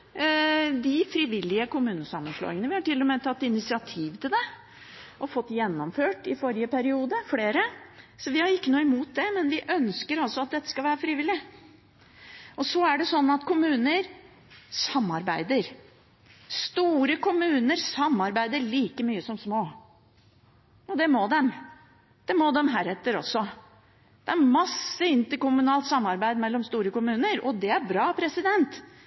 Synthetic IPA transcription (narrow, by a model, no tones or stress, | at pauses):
d̪ɪfɾɪːʋɪlːɪəkʊmʉːnəsɑmːənʂlo̰ːɪŋənəʋɪhɑʈɪlːɔmeːt̪ʰɑt̪ːɪnɪsɪɑt̪ʰiːʋt̪ɪld̪ɛ | ʔɔfɔt̪ːjɛnːɔmføːʈɪfɔɾɪəpʰæɾɪuːd̪əfleːɾəsɔʋɪhɑɾɪkːənuːɪmuːt̪̚d̪ɛmɛnʋɪʔœnskəɾɑlsɔɑt̪̚d̪ɛt̪ːə̥skɑlʋæːɾəfɾiːʋɪlːɪ | ɔsɔæɖɛsɔnːɑt̪kʰʊmʉːnəɾ | sɑmːɑɾbæɪd̪əɾ | st̪uːɾəkʊmʉːnəɾsɑmːɑɾbæɪd̪əɭiːkəmyːəsɔmsmoː | ɔd̪ɛmɔd̪ɛm | d̪̥ɛmɔd̪ɛmɦæːɾɛt̪ːəɾɔ̰sːɔ | d̪̥ɛæɾmɑsːəɪnt̪əɾkʊmʉnɑːlt̪sɑmːɑɾbæɪd̪mɛlːɔmst̪uːɾəkʊmʉːnəɾɔd̪ɛæɾbɾɑːpʰɾɛsɪd̪ɛnt̪